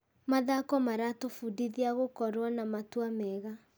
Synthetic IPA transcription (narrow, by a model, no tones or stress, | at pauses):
maðakɔmaɾatofudiðiaɣokɔɾwanamatuamɛɣa